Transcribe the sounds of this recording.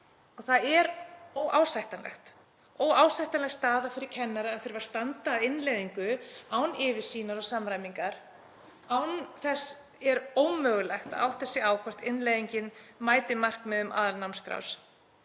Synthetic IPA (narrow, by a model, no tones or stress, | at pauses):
ɔɣθaðɛɾowʔaːwsajht̪anlɛ̰xt̪ | ɔwaːwsajht̪anlɛxst̪aːðafɪɾɪɾ̥cʰɛnːaɾaːðfɪɾvaɾ̥st̪ant̪aːðɪnlejðiŋkʏawnɪːvɪ̥siːnaɾɔsamɾajmiŋkaɾ̥ | awnθɛs | ɛɾoːwmœːɣʏlɛjxt̪aða̰wht̪θɛsːɪaːwkʰvɔ̥t̪ɪnlejðiɲcɪnmaːjt̪ɪmar̥kmɛðʏmʔa̰ːðalnawnskɾa̰ws